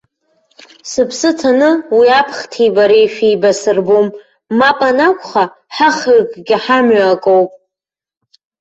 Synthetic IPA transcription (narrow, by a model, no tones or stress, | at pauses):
sɨpʰsɨtʰanɨwiapʰχtʰijbaɾejʃejbasɨrbomː | apʼanakʷʰʼχa | ħaχrkʼɡʲɪħamɥakʼowpʼ